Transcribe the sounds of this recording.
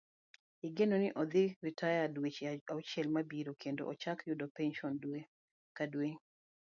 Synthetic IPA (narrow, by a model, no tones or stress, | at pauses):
iɡenonɪʔɔd̪ɪɾitajadwet͡ʃaut͡ʃɛlmabiɾokʰendo̰ʔɔt͡ʃakjʊdɔpɛnʃɔndwe | kadweɲ